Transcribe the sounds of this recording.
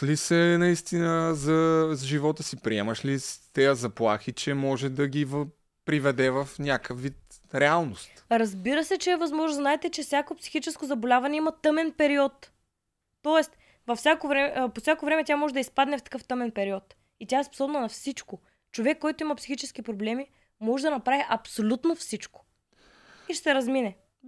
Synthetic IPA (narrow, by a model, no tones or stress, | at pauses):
lisɛnɐist̪inəzɐʒivɔt̪əsipɾiɛmɐʃlist̪ɛjəzɐplˠaxit͡ʃɛmɔʒɛd̪ɐɡiv | pɾivɛd̪ɛvɐfnʲakəfvit̪ɾɛalˠnost̪ɾɐzbiɾəsɛt͡ʃɛːvɐzmɔʒnoznaɛt̪ɛt͡ʃɛfsʲjakopsi̥xit͡ʃɛskozɐbolʲavɐnɛimɐt̪ɤmɛnpɛɾiɔt̪ː | ɔɛst̪ | vɐfsʲjakovɾɛmɛposʲakovɾɛmɛt̪ʲamɔʒɛd̪ɐispad̪nɛft̪ɐ̥kɤft̪ɤmɛnpɛɾiɔt̪ | it̪ʲaɛspo̥sɔbnonɐfsit͡ʃko | t͡ʃovɛkːɔjt̪oimɐpsi̥xit͡ʃɛsk̟ipɾoblɛmi | mɔʒɛd̪ɐnɐpɾaviʔɐpsolʲut̪nofsit͡ʃko̥ | iʃɛ̥sɛɾɐzminɛ